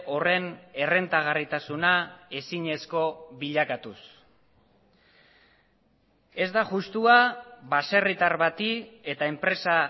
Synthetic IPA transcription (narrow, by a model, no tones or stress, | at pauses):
o̞re̞ne̞re̞nt̪aɣ̞arit̪asunae̞siɲe̞sko̞βiʎakat̪us | e̞zd̪aʝust̪uaβase̞rit̪aɾβat̪ie̞t̪ae̞mpɾe̞sa